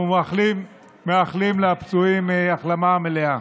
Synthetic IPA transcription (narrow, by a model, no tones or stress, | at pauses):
alim | meaχlimleapt͡suimeaχlamamelea